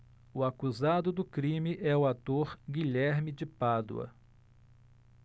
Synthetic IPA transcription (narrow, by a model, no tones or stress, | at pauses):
ʊakuzad̪ʊd̪ʊkɾĩmɪʔɛʊat̪oɾɡiʎɛɾmɪd͡ʒɪpad̪ṵɐ̰